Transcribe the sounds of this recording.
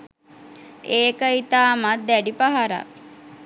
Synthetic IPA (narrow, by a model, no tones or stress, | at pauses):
eːkəit̪aːmat̪̚d̪æɖipaɦaɾa̰